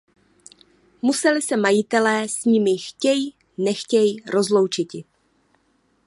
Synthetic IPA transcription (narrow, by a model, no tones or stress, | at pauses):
musɛlɪsɛmajɪt̪ɛlɛːsɲɪmɪxcɛji | nɛxcɛjiɾo̞zlo̞wt͡ʃɪcɪ